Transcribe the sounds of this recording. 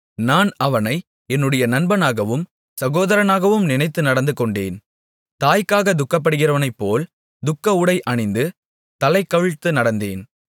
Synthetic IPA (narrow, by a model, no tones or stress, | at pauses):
naːnɐʋɐnɐɪ | ɛnːɯɽɐjɐnɐnbɐnaːɣɐʋɯm | sɐɣoːðɐɾɐnaːɣɐʋɯmnɪnɐɪt̪ːɯnɐɽɐnd̪ɯkɔɳɖḛːn | t̪aːjkːaːɣɐd̪ʊkːɐp̬ːɐɽɯɣɪrɐʋɐnɐɪpːoːl | d̪ʊkːɐʊɽɐɪʔɐɳɪnd̪ɯ | t̪ɐlɐɪkːɐʋɪɻt̪ːɯnɐɽɐnd̪eːn